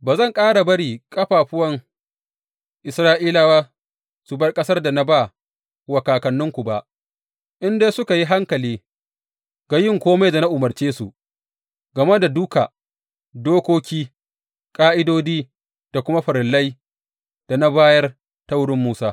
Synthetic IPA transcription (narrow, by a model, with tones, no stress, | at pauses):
baː˨zɐ˦˨ŋkʼaː˦ɽa˨bɐ˦ɽiː˨kʼɐ˦ɸaː˨ɸʊ˦wɐ˦ŋ | ʔɪ˨sɾaː˦ʔiː˦la˨waː˦ | su˨bɐ˦rkʼɐ˦sɐ˦rda˨na˦ba˦˨ | wɐ˨kaː˨kɐ˨nːʊ˦ŋkʷu˨ba˨ʔ | ʔɪ˦ndeː˦sʊ˦ka˨ji˦ɦa˦ŋkɐ˨liː˦ | ɡa˨jɪ˦˨ŋkʷoː˦ma˨jda˨na˦ʔʊ˨mɐ˨rt͡ʃeː˦sṵ˨ʔ | ɡɐ˨me˦da˨dʊ˦ka˨ | doː˦kʷoː˦kʲiː˦ | kʼaː˦ʔɪ˦doː˦diː˦ | d̥a˨kʷʊ˦ma˦ɸɐ˨ɾɪ˨lːɐ˦j | d̥a˨na˦baː˦jɐ˦r | ta˦wɽɪ˦mːuː˦saː˦